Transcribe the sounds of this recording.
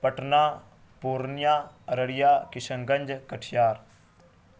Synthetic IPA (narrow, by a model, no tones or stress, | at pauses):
pɐʈnaː | puːɾnjaːɾəɽɪjaːkɪʃə̃ŋɡə̃nd͡ʒkɐʈʰjaːɾ